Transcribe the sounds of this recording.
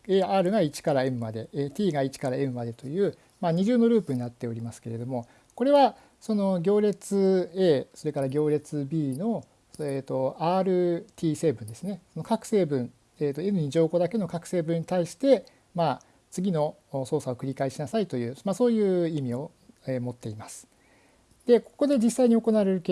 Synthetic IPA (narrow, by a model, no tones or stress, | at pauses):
eaːɾɯ̟ɡait͡ɕi̥kaɾae̞mɯ̟mad̪e̞t̪ʲiːɡait͡ɕi̥kaɾae̞mɯ̟mad̪e̞t̪o̞jɯ̟ː | maːɲ̟iʑɨːno̞ɾɯ̟ːpɯ̟ɲ̟inat̪ːe̞o̞ɾʲimasɨ̥ke̞ɾe̞d̪o̞mo̞ | ko̞ɾe̞βa | so̞no̞ɡʲo̞ːɾe̞t͡sɨe̞ːso̞ɾe̞kaɾaɡʲo̞ːɾe̞t͡sɨbʲiːno̞ | eːt̪o̞aːɾɯ̟t̪ʲʰiːse̞ːbɯ̟̃nd̪e̞sɨne̞so̞no̞kakɯ̟̥se̞ːbɯ̟̃ɴ | eːt̪o̞e̞nɯ̟ɲ̟id͡ʑo̞ːko̞d̪ake̞no̞kakɯ̟̥se̞ːbɯ̟̃ɲ̟ːit̪aiɕi̥t̪e̞ | ma | t͡sɨɡʲino̞ | so̞ːsao̞kɯ̟ɾʲikaiɕinasait̪o̞jɯ̟ːmaso̞ːjɯ̟ːimʲio̞ | emo̞t̪ːe̞imasɨ̥ | d̪̥e̞ko̞̥ko̞d̪e̞d͡ʑisːaiɲ̟io̞ko̞naβaɾe̞ɾɯ̟k